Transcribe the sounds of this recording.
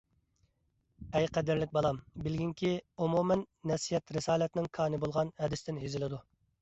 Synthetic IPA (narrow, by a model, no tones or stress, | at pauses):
ɛjqʰæd̪ɪɾlɪk̚ʲbɑlˠɑmbɪlɡʲiŋkʲiumumɛnːɛsijɛt̪ɾɪsɑːlɛt̪nɪŋkʰɑːnɨbolˠʁɑnhɛd̪ɪst̪ɪnɦezɪlɪd̪u